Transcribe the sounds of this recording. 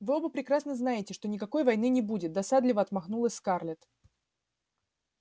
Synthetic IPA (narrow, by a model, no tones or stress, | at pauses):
vɨo̞bəpɾʲɪkɾasnəznajɪtʲɪʂt̪o̞nʲɪkɐko̞jvɐjnɨnʲɪbudʲɪt̪̚d̪ɐsad̪lʲɪvəɐt̪mɐxnulˠəsʲskarlʲɪt̪